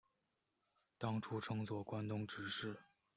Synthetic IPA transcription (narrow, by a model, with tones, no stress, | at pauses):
t̪ɑ˥ŋʈ͡ʂʰu˥ʈ͡ʂʰɤ˥ŋt͡swɔ˥˩kwa˥nt̪ʊ˥ŋʈ͡ʂɻ̩˧˥ʂɻ̩˥˩